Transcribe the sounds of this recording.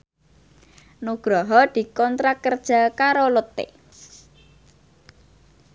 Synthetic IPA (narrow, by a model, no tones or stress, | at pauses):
nuɡ̥ɾɔɦɔd̪̥i̤kɔnt̪ɾakərd̥ʒ̥a̤kaɾolot̪ḛ